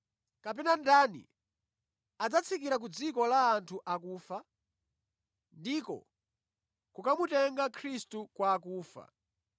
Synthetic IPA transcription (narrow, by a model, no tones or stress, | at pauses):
kapɛnandanḭ | ad͡zat͡sʰikiɾak̬ud͡zikɔlaːntʰuʔakuːfa | ndikɔ̰ | kukamutɛŋɡakʰɾistukwaːkuːfa̰